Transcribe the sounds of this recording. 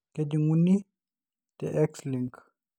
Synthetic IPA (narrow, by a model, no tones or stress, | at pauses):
kɛd͡ʒiŋunːi | tɛʔɛksliŋk